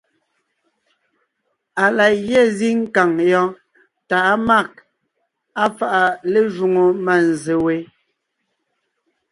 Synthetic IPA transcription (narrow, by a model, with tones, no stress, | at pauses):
a˨la˨jɛ˦˨zi˦ŋ̩˦ka˨ŋjɔ̃˦ | ta˨˦ma˦˨k̚ | a˦fa˨ʔa˨le˦ʒu˨ŋo˨ma˨n˨ze˨we˨